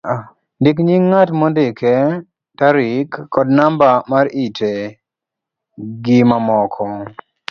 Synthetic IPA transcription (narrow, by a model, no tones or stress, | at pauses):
ndɪkɲiŋːatmɔndɪkɛ | taɾɪkːɔdnambamaɾitʰe | ɡɪmamɔkʰɔ